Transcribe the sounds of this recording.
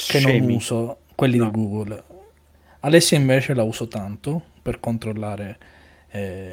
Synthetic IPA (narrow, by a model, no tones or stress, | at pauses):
kenːonuːsokwelːid̪iɡuːɡul | alɛsːjiɱveːt͡ʃelauːsot̪ant̪o | perkont̪ɾolːaːɾe | ɛ